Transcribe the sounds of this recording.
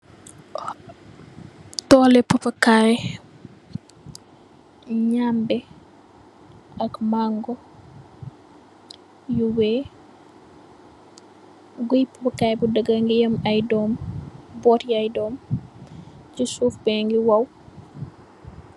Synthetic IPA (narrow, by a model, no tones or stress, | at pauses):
tɔːlɛpɐpɐkaj | ɲambɛ | ɐkmaŋɡɔ | juwɛː | ɡujpɐpɐkaːjbudəɡɐŋɡijɐmɐjdɔːmbɔtjajdɔːm | cisufbɛŋɡiwɐw